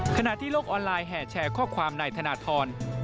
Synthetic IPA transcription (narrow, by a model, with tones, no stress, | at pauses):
kʰa˧na˨t̪ʰiː˥˩loː˥˩k̚ʔɔː˧nlaː˧jɦɛː˨˩t͡ɕʰɛː˧kʰɔː˥˩kʰwaː˧mnaː˧jt̪ʰa˧naː˧t̪ʰɔː˧n